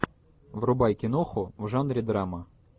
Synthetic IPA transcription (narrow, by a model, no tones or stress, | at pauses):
vrʊbajkʲɪnoxʊvʐanɾʲɪd̪ɾamə